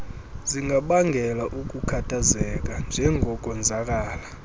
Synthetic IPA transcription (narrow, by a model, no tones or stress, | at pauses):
ziŋɡʱaɓaŋɡʱɛlaʔuk̬ʼukʰatʰʼazɛk̬ʼand͡ʒʱɛŋʱɔk̬ʼɔnd͡zʱak̬ʼaːla